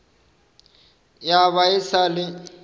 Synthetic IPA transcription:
jaβaɪsalɪ

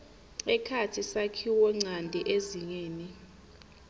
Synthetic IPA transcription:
ɛkʰatʰisakʰiwɔŋ͡ǀʱandʱɛʔeziɲeːni

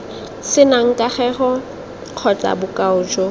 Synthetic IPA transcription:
sɪnaŋ̩kʼaχɛχɔ | q͡χʰɔt͡sʼa̰bʊkʼaʊd͡ʒɔ

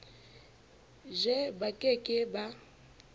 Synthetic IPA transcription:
ʒɛbakʼekʼɪba

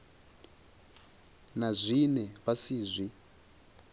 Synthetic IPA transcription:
nazʷinɛβasiːzʷi

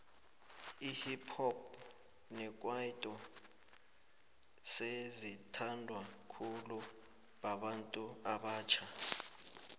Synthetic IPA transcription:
ihipʰɔp̚ | nɛk̬ʼwaitʼɔ | sezitʰandʱwakʰulu | ɓaɓantʼuaɓaːt͡ʃʰa

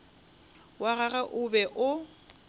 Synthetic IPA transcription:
waɣaɣaʔʊbɛʔʊ

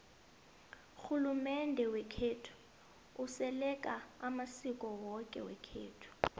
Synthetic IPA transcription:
xulumɛndʱɛwɛkʰeːtʰu̥ | usɛlɛkʼaamasikʼɔwɔkʼɛ̰wɛ̰kʰḛːtʰu̥

